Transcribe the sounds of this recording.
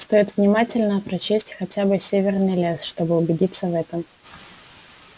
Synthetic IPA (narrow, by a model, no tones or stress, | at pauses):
st̪o̞jɪt̪vnʲɪmatʲɪlʲnəpɾɐt͡ɕesʲtʲxɐtʲabɨsʲevʲɪrnɨjlʲesʂt̪o̞bɨʊbʲɪdʲit̪səvɛt̪əm